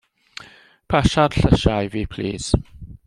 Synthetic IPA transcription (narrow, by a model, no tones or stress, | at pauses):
pʰaʃad̥ɬəʃajviːpʰl̥ḭːz̥